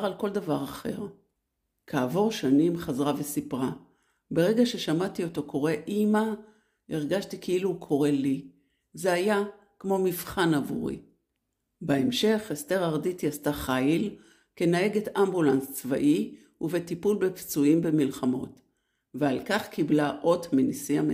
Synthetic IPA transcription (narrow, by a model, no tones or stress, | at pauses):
ʁalko̞ldavaʁaχe̞̰ʁ | kʰaːvo̞ʁʃanimχazʁavesipʁa | be̞ʁe̞ɡaʃe̞ʃamatio̞to̞kʰo̞ʁe̞ʔima | iʁɡaʃtikeilukʰo̞ʁe̞li | zeaja | kmo̞mivχanavṵʁḭ | beemʃe̞χesteʁaʁditjastaχajil | ke̞nae̞ɡetambulanst͡sva̰ʔi | uvetipulbept͡suimbe̞milχamo̞t | vealkaχkiblaʔo̞tmenisiam